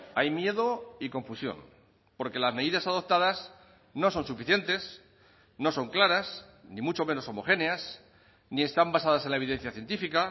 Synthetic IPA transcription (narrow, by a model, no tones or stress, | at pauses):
ajmje̞ðoiko̞ɱfusjo̞̰n | po̞ɾke̞lazme̞ðiðasaðo̞p̚t̪aðas | no̞sõ̞nsufiθje̞nt̪e̞s | no̞so̞ŋklaɾas | nĩmut͡ʃo̞me̞no̞somo̞xe̞neas | nie̞st̪ambasaðase̞nlae̞βiðe̞n̟θjaθje̞nt̪ifika